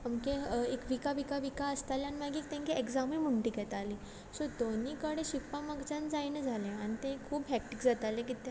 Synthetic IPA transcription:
əmkẽekʋikaʋikaʋikaəst̪aljanimaɡiːk̚t̪ẽŋkiekzamimuɳʈiːkɛt̪ali | sod̪onikəɽẽɕipːãməɡt͡ɕãnd͡zainəd͡zʱalẽañit̪ẽkʰuːbɦɛk̚ʈikd͡zat̪alẽkit̪jã

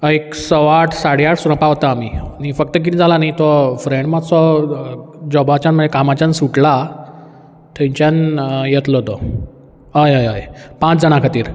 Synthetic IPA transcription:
əeksəʋaʈʰsaɽiaʈsuɾəpaɦʋot̪aːminifəkt̪ək̬it̪id͡zʱalanait̪ɔfɾẽɳɖmasɔ | d͡ʑɔbʱat͡ɕanm̤əɳd͡zekamat͡ɕansuʈla | t̪ʰẽɲt͡ɕjanjet̪lɔt̪ɔ | ɦəjɦəjɦəjpãt͡sd͡zəɽ̃akʰat̪iːɾ

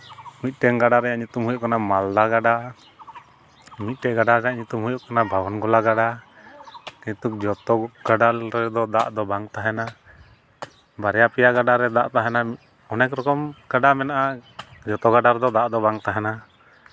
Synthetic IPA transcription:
mit̪̚ˀʈɛŋɡaɖaɾɛjaʔɲut̪umɦujɔʔkanamald̪aɡaɖa | mit̪̚ˀʈɛɡaɖaɾɛjaʔɲut̪umɦujɔʔkanabʱabɔnɡɔlaɡaɖa | kit̪uk̚d͡ʒɔt̪ɔɡ̥aɖalɾɛd̪ɔd̪a̰ʔd̪ɔbaŋt̪aɦɛna | baɾɛjapɛjaɡaɖaɾɛd̪a̰ʔt̪aɦɛnami | ɔnɛkɾɔkɔmɡ̥aɖamɛnaʔad͡ʒɔt̪ɔɡaɖaɾɛd̪ɔd̪aʔd̪ɔbaŋt̪aɦɛna

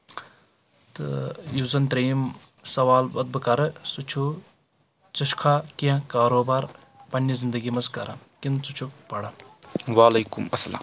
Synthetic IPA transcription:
t̪ɨ̰juzɐnt̪ɾiːm | sɐʋaːlbɐd̪̚bɨkɐɾɨsut͡ʃʰu | t͡sɐʃkʰaːkijãkaːɾoːbaːɾ | pɐnːizind̪ɐɡimɐzkɐɾa | kint͡sut͡ʃʰupɐɽɐnʋaːlɐjkumɐsɐla̰ːm

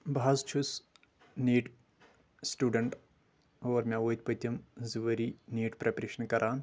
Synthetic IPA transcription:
bʱaːzt͡ʃʰus | niːʈ | sʈuːɖɐɳʈ | oːɾmʲaoːjt̪̚ʲpɐt̪ʲːɐmziʋɐɾiniːʈpɾepɐɾeːʂɐnkɐɾʔaːn

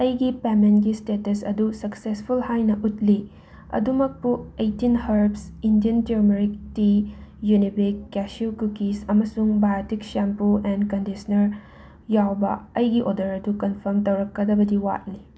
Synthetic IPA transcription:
ɐjɡipemenɡistetɐsɐ̰dusɐksespʰulhajnɐʔut̚li | ɐ̰dumɐk̚puejtinhɐɾbsindiɐnteɾmeɾik̚tijunibikːɛsukukisɐmɐsuŋbajatik̚sampuɛnkɐndisɐnɐɾ | jawbɐ̰ɐjɡiʔodɐɾɐdukɐnpʰɐɾmtɐwɾɐkːɐdɐbɐdiwa̰t̚ni

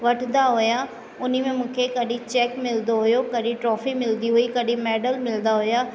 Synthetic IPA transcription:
ʋɐʈʰnd̪aɦʊja | ʊn̤imẽmũːkʰekɐɗĩt͡ɕɛːkmɪld̪oɦʊjokɐɗĩʈɾɔːfimɪld̪iɦuikɐɗĩmɛːɖəlmɪlnd̪aɦʊjaː

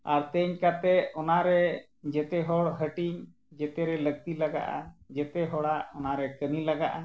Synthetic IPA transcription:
aɾt̪əɲkat̪ɛɔnaɾɛ | d͡ʒɛt̪ɛɦɔɽɦəʈiɲ | d͡ʒɛt̪ɛɾɛləɡ̚t̪ilaɡa̰ʔa̰d͡ʒɛt̪ɛɦɔɽaʔɔnaɾɛkənilaɡaʔa

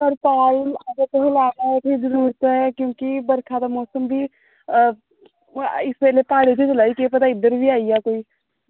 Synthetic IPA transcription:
ɐɾpaɪlaːɡ̪ət̪ɦolaːnaɦɛpʰiɾd͡ʒəɾuːɾt̪ɦɛkjõːkibəɾkʰad̪amɔːsəmbʱi | ɪspɛːlepaːɽ̤et̪ʰet͡ʃɐlaːikiep̬ɐt̪aɪd̪əɾbʱiaːijakoːi

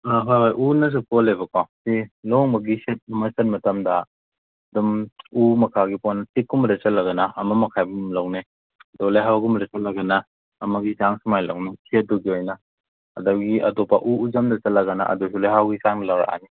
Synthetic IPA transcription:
aɦojɦojʔunɐs̬ukolebɐkawsilɔŋmɐɡiset̚ɐmɐsɐt̚mɐtɐmdɐ | dumumɐkʰaɡipɔnɐtikːumɐɾet͡ʃɐtlɐɡɐnɐɐmɐmɐkʰajbumlawne | ɐdolajɦawɡumɾet͡ʃɐtlɐɡɐnɐː | mɐɡizaŋsumajla̰wnekʰiɐt̚duɡiojnɐ̰ː | dawɡiɐ̰dɔpːaʔuuzamdɐt͡ʃɐtlɐɡɐna̰ʔɐ̰dos̬ulajɦawɡisaŋnɐlawɾa̰a̰ni

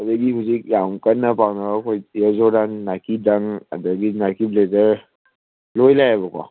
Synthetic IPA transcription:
adaɡihuzik̚jamkanːapawnabakʰojjɔzɔdaŋnakidaŋa̰daɡinakiblezəɾ | lojlajabɔkɔ̰

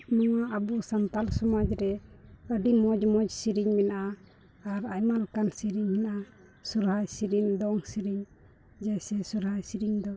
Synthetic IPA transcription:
mɔwaʔəbusant̪alsɔmad͡ʒɾɛəɖimɔd͡ʒmɔd͡ʒsiɾiɲmɛnʔaː | ɾajmalkansiɾiɲmɛnʔa | suɾɦajsiɾiɲd̪ɔŋsiɾiɲ | d͡ʒasɛsuɾɦajsiɾiɲd̪ɔ

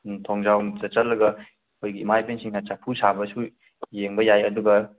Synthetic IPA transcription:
tʰoŋzawt͡ʃɐt͡ʃɐlːɐɡɐ | kʰojɡiːmajpensiŋat͡ʃapʰusabɐsu | jeŋbɐjajɐduɡɐ

